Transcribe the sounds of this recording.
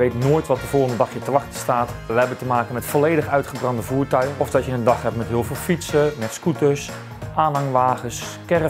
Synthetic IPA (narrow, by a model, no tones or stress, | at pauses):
ʋejtnoːjtʋɔt̚dəvoːlˠχəndədɑχjətəʋɑχtəstaːtʋəɦɛbəntəmaːkənmɛtfɔlejdəχœɥtχəbrɑndəvuːɹtœɥɔfdɔtjəəndɑχɦɛp̚mɛtɦɪːlˠvɪːlˠfitsənɛtskutəs | ʔaːnɦɑŋəʋaːχəskɛr